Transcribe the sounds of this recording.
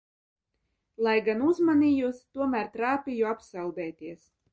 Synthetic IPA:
lˠajɡanuzmanʲiːjust̪uɔmæɾt̪ɾaːpʲijuapsalˠd̪ɛːt̪iɛs

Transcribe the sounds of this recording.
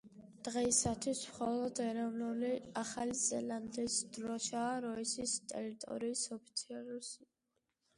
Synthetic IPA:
d̪̥ʁɛisat̪ʰwismχɔlˠɔd̪ɛɾɔvnuliaχalizɛland̪isd̪ɾɔʃaːɾɔisist̪ʼɛ̰ɾit̪ʼɔ̰ɾiːsɔpʰi̥t̪sʰialusi

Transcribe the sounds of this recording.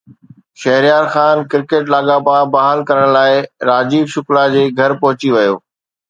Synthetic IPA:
ʃɐɦɾijaːɾxaːnkɪɾkeːʈlaːɠabaːbaɦalkɐɾəɽ̃laːɪɾaːd͡ʑiːbʃʊklad͡ʑeːɡʱɐɾpɐɦʊt͡ɕiʋɐjo̰ː

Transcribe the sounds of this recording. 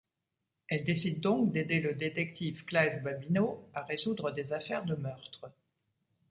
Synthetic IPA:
ɛld̪esid̪ːɔ̃k̚d̪ed̪eləd̪et̪ɛk̚t̪ifklavbabinoaʁezud̪ʁəd̪ezafɛʁd̪əmœʁt̪χə

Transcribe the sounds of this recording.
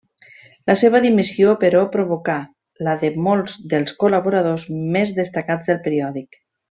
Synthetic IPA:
ləseβəðimisiopəɾɔpɾoβuka | ləðəmolˠzðəlˠskolaβuɾað̞ozmezðəst̪əkad͡zðəlˠpəɾiɔðik

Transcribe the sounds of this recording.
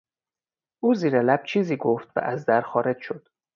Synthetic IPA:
ʔuːziːɾelæb̥̚t͡ʃʰiːziːɡoft̪væ̰ʔæzd̪æɾxɒːɾed͡ʒʃod̪̥

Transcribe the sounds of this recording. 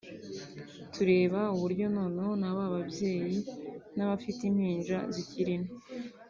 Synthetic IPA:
tʰuɾe̞ːβauβuɾɟo̞noːnoonaβaːβabje̞ːjinaβafitinhiːnʒaziciɾine

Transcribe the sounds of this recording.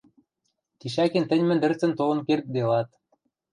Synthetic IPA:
t̪iɕækĕnt̪ɘ̆nʲmɘ̆nd̪ɘ̆rt͡sə̆nt̪olɤ̆nkert̪̚d̪elɑt̪̚

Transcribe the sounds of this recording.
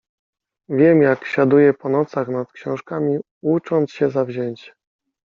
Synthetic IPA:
vʲjɛmjakɕad̪ujɛpɔnɔt̪saxnat̪kɕɔ̃w̃ʂkamʲi | ut͡ʂɔnt̪sɕɛzavʑeɲt͡ɕ

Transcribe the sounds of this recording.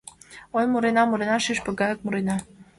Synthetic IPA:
ojmuɾenɑmuɾenɑʃiʃpə̆ɡɑjək̚muɾenɑ

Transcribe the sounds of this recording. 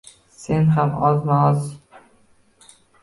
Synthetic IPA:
se̞nɦamɒznaɒz

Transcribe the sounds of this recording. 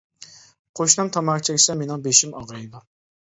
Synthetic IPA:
qʰoʃnɨmt̪ʰɑmɑɾt͡ʃʰiɡʲi̥sɛmenɪŋbeʃimɑʁɑjɨd̪u

